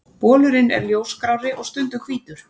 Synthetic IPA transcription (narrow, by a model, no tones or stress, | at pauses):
pɔːlʏɾɪnɛ̰ɾljoːwskɾaːwɾɪʔɔɣst̪ʏnt̪ʏkʰviːt̪ʏɾ̥